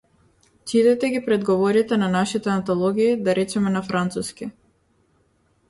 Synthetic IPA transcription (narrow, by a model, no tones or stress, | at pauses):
t͡ʃit̪ɛt̪ɛɡipɾɛd̪ɡɔvɔɾit̪ɛnanaʃit̪ɛant̪ɔlˠɔɡʲiːd̪aɾɛt͡ʃɛmɛnafɾant̪suskʲi